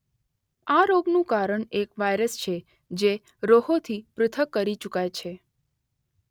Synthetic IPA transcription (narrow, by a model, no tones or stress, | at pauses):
aɾoɡnũkaɾəɳekʋajɾəst͡ʃʰe | d͡ʒe | ɾoɦot̪ʰipɾʊt̪ʰəkːəɾit͡ʃukajt͡ʃʰe